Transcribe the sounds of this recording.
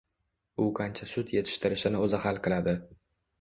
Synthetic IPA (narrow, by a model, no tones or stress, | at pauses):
ʊqʰant͡ʃʰasʊt̪je̞t̪ʰɪ̥ʃt̪ɪɾɪʃɪnɪozahalˠqʰɨlad̪ɪ